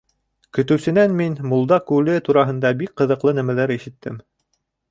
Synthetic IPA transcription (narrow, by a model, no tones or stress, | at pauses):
kɵ̆t̪ɘ̆wsɘ̆nænminmulˠd̪ɑkʉlɘt̪uɾɑɦɤ̆nd̪ɑbik̚qɤ̆ðɤ̆qlˠɤnæmælæɾiʃɘ̆t̪ʰːɘm